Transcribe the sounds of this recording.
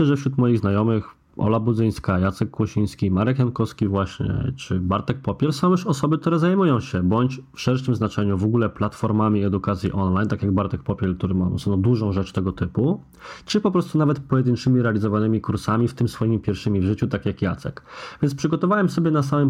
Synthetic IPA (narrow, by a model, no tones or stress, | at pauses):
ɕlɛʐɛfɕɾut̪mɔjiɣznajɔmɘx | ʔɔ̰labud̪zɘj̃skajat̪sɛkːwɔɕij̃skʲimaɾɛkjankɔfskʲivwaɕɲɛ̰t͡ʂɘbaɾt̪ɛk̚pɔpʲjɛɾsɔ̃w̃jɛʂɔsɔbɘkt̪uɾɛzajmujɔ̃w̃ɕɛbɔɲt͡ɕfʂɛɾʂɘmznat͡ʂɛɲuvɔɡulɛplat̪fɔɾmamʲiɛd̪ukat̪sʲjḭʔɔnlajnt̪akjaɡ̚baɾt̪ɛk̚pɔpʲɛɾk̚t̪uɾɘma̰snɔ̃d̪uʐɔ̃w̃ʐɛt͡ʂt̪ɛɡɔt̪ɘpu | t͡ʂɘpɔpɾɔst̪unavɛt̪pɔjɛd̪ɘnt͡ʂɘmʲiɾɛalʲizɔvanɘmʲikuɾsamʲift̪ɘmsfɔjimʲipʲjɛɾfʂɘmʲivʐɘt͡ɕut̪akʲjakjat̪sɛ̰kvʲjɛntspʂɘɡɔt̪ɔvawɛmsɔbʲjɛnasamɘm